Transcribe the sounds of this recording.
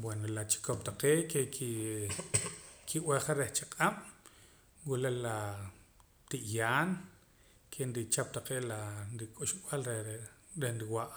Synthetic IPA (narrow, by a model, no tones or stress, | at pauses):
bwenolat͡ʃi̥kop̚t̪aqeːʔkeki | kʰiʔweχaɾeht͡ʃaqʼam̥ | wulela | t̪iʔjaːn | kʰenɾit͡ʃap̚t̪aqeːʔlaɾikʼuʃɓalɾe | ɾenɾiwaʔ